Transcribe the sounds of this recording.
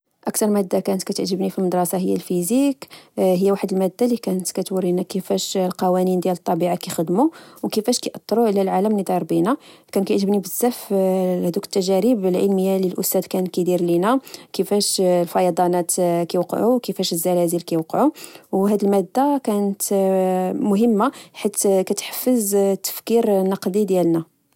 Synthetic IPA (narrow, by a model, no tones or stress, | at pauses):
ʔækt̪ɑɾˤmæd̪ːakænət̪kæt̪əʕʒːəbnifilməd̪ɾˤɑsɑɦəjːæ̰lfizikɦəjːæwaħəd̪əlmæd̪ːalikænət̪kæt̪wuɾinækəfæʃlqɑwænind̪jælət̪ˤːɑbiʕakixəd̪muwkəfæʃkæjʔɑt̪ˤːɾˤuʕəlælʕaləmlid̪ˤɑɾˤbinækænt̪əʕʒːəbnibəz̥ːæfhd̪ukə̥t̪ːæʒæɾibəlʕəlməjːaləlʔʊst̪æd̪kænkid̪iɾlinækəfæʃlfɑjɑd̪ˤɑnɑt̪kijwqʕuwkəfæʃəzːælæzilkæjwqʕuwɦæd̪əlmæd̪ːakænət̪ | mʊɦəmːaħit̪kæt̪ħə̥fːəzt̪ːə̥fkiɾnɑqd̪id̪jælnæ